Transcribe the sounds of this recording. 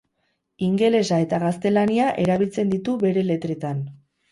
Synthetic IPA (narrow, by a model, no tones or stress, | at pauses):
iŋɡe̞le̞sae̞t̪aɣast̪e̞laniaʔe̞ɾaβilt͡se̞nd̪it̪uβe̞ɾe̞le̞t̪ɾe̞t̪an